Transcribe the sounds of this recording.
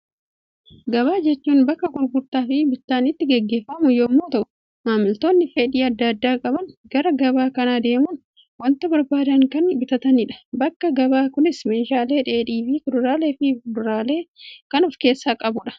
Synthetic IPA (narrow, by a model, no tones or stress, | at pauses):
ɡɐβaːd͡ʒɛt͡ʃːuːnbɐkːɐkʼʊɾɡʊɾt̪aːfɪbɪt̪ːaːnɪt̪ːɪɡɛɡːe̞ːfːɐmʊjɔmːoːt̪ɐʔʊ̥ | maːmɪlt̪o̞ːnːɪfɛᶑiːɐd̪ːɐd̪ːaːkʼɐbɐnɡ̥ɐɾɐɡɐbaːkɐnaːd̪e̞ːmʊn | wɐnt̪ɐbɔɾbaːd̪ɐŋkɐnbɪt̪ɐt̪ɐnɪᶑɐ̥bɐkːɐɡɐbaːkʊnɪsmɛnʃaːle̞ːᶑe̞ːᶑiːfɪkʊdʊɾaːleːfɪʊdʊɾaːle̞ːkɐnɔfke̞ːsːaːkʼɐbʊᶑɐ̥